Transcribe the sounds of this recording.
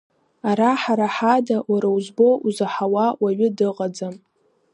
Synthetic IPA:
aɾaħaɾaħadawaɾawzbo̞ʔuzaħawawaɥʊdɨqʼad͡zam

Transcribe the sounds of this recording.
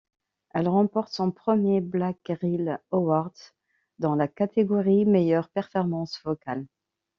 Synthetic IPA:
ɛlʁɑ̃pɔʁt̪sɔ̃pχəmjeblakʁilowaʁd̪ | d̪ɑ̃lakat̪eɡɔʁimejœʁpɛʁfɔʁmɑ̃svɔkal

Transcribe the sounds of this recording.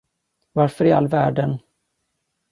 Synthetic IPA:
vaɾfœɾɪa̰lːvæːɖən

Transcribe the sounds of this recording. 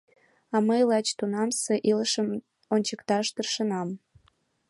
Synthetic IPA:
ɑməjlɑt͡ɕt̪unɑmseʔiləʃəm | onʲt͡ɕəkt̪ɑʃt̪ərʃənɑm

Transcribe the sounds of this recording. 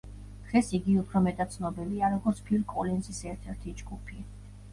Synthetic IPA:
d̪̥ʁɛsiɡiupʰɾɔmɛt̪ʼat̪t̪sʰnɔbiliaɾɔɡɔɾt̪sʰpʰilkʼɔlɛnsisɛɾt̪ʰɛɾt̪ʰid͡ʒɡupʰi

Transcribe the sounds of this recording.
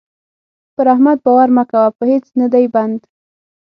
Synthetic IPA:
pəɾahmad̪̚bawaɾmakawapəhet͡snad̪ajband̪

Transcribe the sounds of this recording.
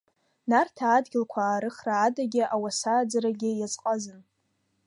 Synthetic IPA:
nartʰaːdɡʲɪlkʷʰaːɾɨχraːdaɡʲɪʔawasaːd͡zaɾaɡʲɪjat͡sʼqʼazɨn

